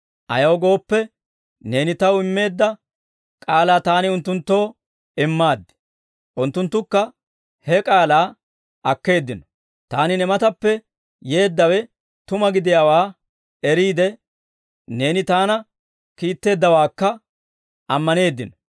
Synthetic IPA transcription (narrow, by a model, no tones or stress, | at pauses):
ʔɐ̰jɐwɡo̞ːpːɛ | ne̞ːnɪt̪ɐwɪmːe̞ːd̪ːɐ | kʼaːlaːt̪aːnɪʊnt̪ːʊnt̪ːo̞ː | ɪmːaːd̪ːɪ̥ | ʔʊnt̪ːʊnt̪ːʊkːɐ | hɛkʼaːlaː | ɐkːe̞ːd̪ːɪnɔ̥ | t̪aːnɪnɛmɐt̪ɐpːɛ | je̞ːd̪ːɐwɛ | t̪ʊmɐɡɪd̪ɪjaːwaː | ɛɾiːd̪ɛ | ne̞ːnɪt̪aːnɐ | kiːt̪ːe̞ːd̪ːɐwaːkːɐ | ʔɐmːɐne̞ːd̪ːɪnɔ̥